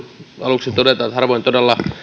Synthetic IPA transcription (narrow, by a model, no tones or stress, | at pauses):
ɑluksit̪odet̪ɑːt̪hɑrʋoint̪odelːɑ